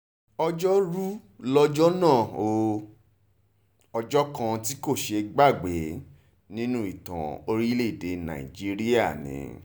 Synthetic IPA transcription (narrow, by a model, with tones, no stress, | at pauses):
ɔ˧d͡ʒɔ˦ɾu˦lɔ˦d͡ʒɔ˦nãː˦˨o˨ | ɔ˧d͡ʒɔ˦kã˧ti˦ko˦˨ʃe˧ɡ͡ba˦˨ɡ͡be˨˦ | nĩ˦nũ˦i˦˨tã̰˨o˧ɾi˦le˦˨de˨nã̰˨ḭ˨d͡ʒi˦ɾi˦a˦˨nḭ̃˨˦